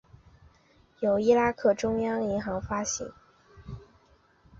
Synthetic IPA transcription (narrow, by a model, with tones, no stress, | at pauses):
jo˨˩ʊi˥la˥kʰɤ˥˩ʈ͡ʂʊ˥ŋjɑ˥ŋi˧˥ŋxɑ˧˥ŋfa˥ɕḭ˧˥˦ŋ